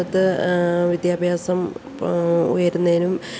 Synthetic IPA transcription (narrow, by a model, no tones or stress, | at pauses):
ɐt̪ːɨʋid̪jaːbʱjaːsɐm | ṵjɐɾunːɐðinum